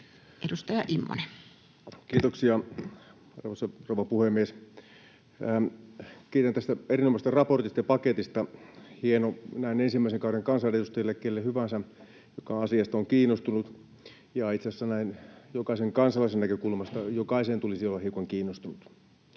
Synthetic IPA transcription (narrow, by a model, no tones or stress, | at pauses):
ʔedust̪ɑjɑʔimːo̰ne | kiːt̪oksiɑ | ɑrʋɑsɑrouʋɑpuhemːies | kiːt̪ænt̪æst̪æerinomɑst̪ɑrɑport̪ist̪ɑjɑpɑket̪ist̪ɑhienonæinensimːæˑiseŋkɑuɾeŋkɑnsɑneust̪ɑjilːekːelːehyʋænsæ | jokɑɑsiɑst̪ɑoŋkiːnːˑost̪unut̪ | jɑit̪sesːænæinjokɑiseŋkɑnsɑlɑisennækøkulmɑst̪ɑjokɑisent̪ulisiolːɑhiukɑŋkiːnːost̪unut̪